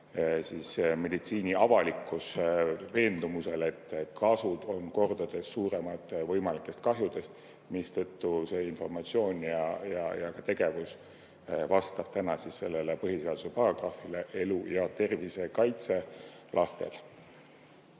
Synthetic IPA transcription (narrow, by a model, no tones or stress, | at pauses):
sisme̞d̪it̪siːnʲiɑvɑlikːˑusve̞ːnd̪̥umuse̞le̞t̪ːkʰɑsud̪̥o̞nko̞rd̪̥ɑd̪̥e̞sːuːɾe̞mɑt̪ːˑvɤ̞jmɑlikːˑe̞st̪̚kɑɦjud̪̥e̞st̪ | mist̪ɤt̪ːuse̞info̞rmɑt̪sio̞ːnʲjɑjɑjɑkɑt̪e̞ɡ̥e̞vus | vɑst̪ɑb̥̚t̪ænɑsisːe̞lːelepɤɦise̞ɑd̪̥use̞pɑrɑɡ̥rɑːfileʔe̞lujɑt̪e̞rvise̞kɑjt̪se̞ | lʔɑst̪e̞̰l